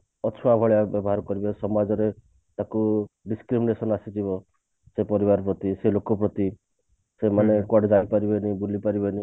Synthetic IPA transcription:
ɔt͡ʃʰɔabʱɔɭjabjɔbɔɦaɾkɔɾibɔsɔmad͡ʒɔɾe | t̪akuɖiskɾiminesɔnasit̪ʰibɔ | sepɔɾibaɾpɾɔt̪iselokɔpɾɔt̪i | semanekɔɖd͡ʒaipaɾibenibulipaɾibeni

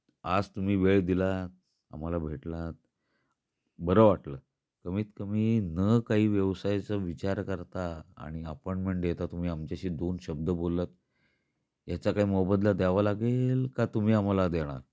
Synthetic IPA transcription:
a̰d͡zt̪um̤iːʋeɭd̪ilat̪̚ | a̰m̤alabʱeʈlat̪̚ | bəɾəʋaʈləː | kəmiːt̪kəmiːnəkaɦiːʋjəʋsajt͡səʋit͡ɕaɾkəɾt̪aa̰ɽ̃iəpɔɳʈmeɳʈ̚d̪jet̪at̪um̤iːamt͡ɕaɕiːd̪onɕəb̚d̪əbolːət̪ | jat͡ɕakaɦiːmɔbəd̪lad̪jaʋalaɡelkat̪um̤iːam̤alad̪eɽ̃a̰ɾ

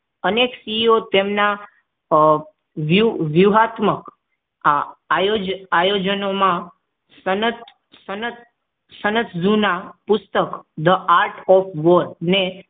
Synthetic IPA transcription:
əneksiot̪emna | ʋjuʋjuɦat̪mək | aajod͡ʒajod͡ʒənomã | sənət̪ | sənət̪ | sənət̪ʰd͡ʒunapʊst̪əkd̪əʔaɾʈɔfʰʋəɾne

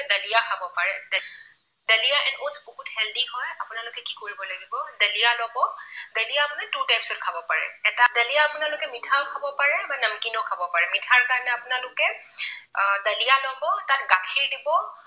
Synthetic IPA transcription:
dəlijakʰabɔpaɹɛd | dəlijaʔɛnosboɦuthɛldihɔjapʊnalʊkɛkikoɹibɔlaɡibɔdəlijalɔbɔdəlijaːpʊnɛtutajpsʊt̚kʰabɔpaɹɛ̰ɛtadəlijaːpʊnalʊkɛmitʰaʊkʰabɔpaɹɛbanəmkinɔkʰabɔpaɹɛmitʰaɹkaɹnɛapʊnalʊkɛ | dəlijalɔbɔtatɡakʰiɹdibɔ

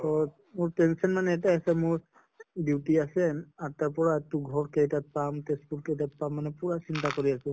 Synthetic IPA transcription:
ɔ | mʊɹtɛnsiɔnmanɛːtajasɛmʊɹ | diwtiasɛataɹpɔɹatuɡʱɔɹkejtat̚pamtesput̚kejtat̚pamːanɛpuɹasintakoɹiasʊ̃

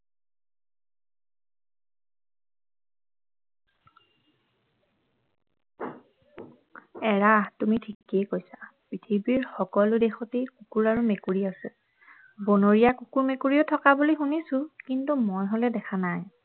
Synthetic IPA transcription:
ɛɹatumitʰikejkojsḁpɹitʰibiɹxɔkɔlʊdexɔtekukuɹaɹumekuɹiasɛ | bonoɹijakukuɹmekuɹiotʰɔkabulixunisʊ̃kintumojɦolɛdɛkʰanaj

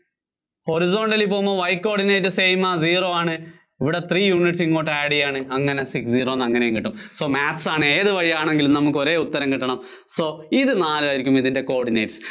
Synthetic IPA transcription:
ho̞ɾizo̞ːɳɖɐlipoːmoːʋɐjkːo̞ːrɖinejʈːɨsejmaziːroːaːɳɨ | iʋiɽet̪riːjuːniʈsiŋːoːʈːaːɽijaːɳɨɐŋːɐne̞siksd͡ʑiːroːnːɐŋːɐnejuŋkiʈːumso̞ːmaːtːsaːɳɨeːðɨʋɐɻijaːɳe̞ŋɡilumnɐmuk̬ːɨo̞ɾe̞ːut̪ːɐɾɐmkiʈːɐɳɐm | so̞ːiðɨnaːlɨaːjiɾikʲːumiðinde̞ko̞ːrɖinejʈs

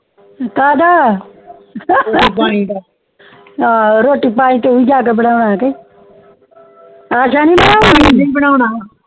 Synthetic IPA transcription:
kaːd̪aː | paːĩːaː | aːɾoːʈipaːĩːt̪eːʊiːd͡ʒaːk̬ebəɽaːʊnaːk̬eː | aːʃaːnĩːbəñaːaːiniːbəɽaːʊnaː

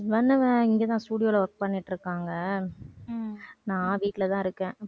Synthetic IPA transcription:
ʋɐnːɐʋɛ̃ɪŋɡeːt̪ãːsʈuːɽɪjoːlɐʋɐɾk̚pɐɳːɪʈːɾɯkːaːŋɡɐ | nãːʋiːʈːɪlɐt̪ãːɪɾɯkːẽː

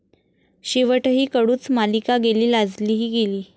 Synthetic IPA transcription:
ɕiʋəʈɦiːkəɽuːt͡smalikaɡeliːlad͡zliːɦiːɡeliː

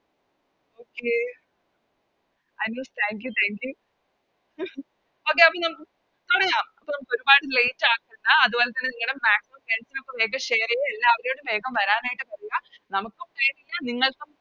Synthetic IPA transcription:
oːkːe | ɐjnoːst̪ʰæːŋk̬jut̪ʰaːŋkju | oːk̬ːeɐpːonɐm | t̪oɽɐjaːmɐpːooɾubaːɽɨlejitːaːkːunːɐɐðubo̞ːlet̪ːɐnːeniŋːɐɽummaːksimɐmpeɳsinopːɐbeːɡɐɕeːrijɐelːaːɐʋɐɾejoːɽube̞ːɡɐmʋɐɾaːnaːjiʈːɨpɐrɐjanɐmukːokːeːnilːɐniŋːɐɭku

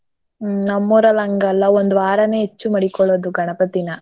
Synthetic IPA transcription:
nɐmːuːɾɐlɐŋɡɐlːɐond̪uʋaːɾɐneːɦet͡ʃːumɐɽikɔɭːoːd̪uɡʱɐɳɐpɐt̪inɐ

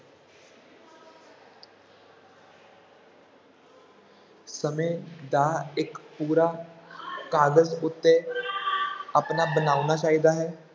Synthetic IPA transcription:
səmẽːd̪aːɪkpuːɾaː | kaːɡəzʊt̪ːe | apnaːbənaːʊnaːt͡ʃaːɦid̪aːɦɛː

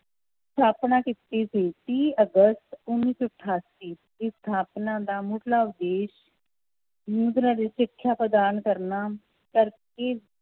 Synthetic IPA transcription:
st̪ʰaːpnaːkɪt̪iːsiːt̪iːəɡəst̪ʊnːiːsoʈʰːaːsiː | dist̪ʰaːpnãːd̪aːmʊʈlaːʊd̪eːʃ | juːd̪ɾãːɾiːʃɪkʰːjaːpɾəd̪aːnkəɾnaː | kəɾkeː

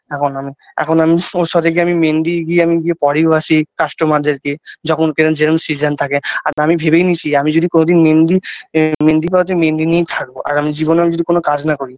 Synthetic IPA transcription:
ɛkʰonami | ɛ̰kʰonamioɾʃɔd̪ek̬eamimend̪iɡieamiɡiepɔɽiasikasʈomad̪ʱeɾked͡ʑɔkʰonkeɾond͡ʑeɾomsizant̪ʰakeaɾamibʱebejnit͡ɕʰiamid͡ʑod̪ikonod̪inmend̪imend̪ipaɾot̪̬emend̪inijt̪ʰak̚boʔa̰ɾamid͡ʑibonamid͡ʑod̪ikonokad͡ʑnakoɾi

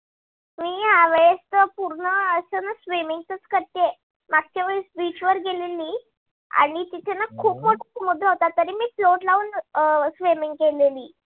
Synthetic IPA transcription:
miːɦaʋeɭest̪əpuɾɳəəɕənasʋimiŋɡ̚t̪ət͡skəɾt̪e | maɡ̚t͡ɕaʋəɭesbit͡ɕʋəɾɡeleliː | a̰ɽ̃it̪it̪ʰenːakʰuːpmoʈʰi̥mud̪ʱlaɦot̪at̪ːəɾiːmiːfloʈlauːnsʋimiŋɡkeleliː

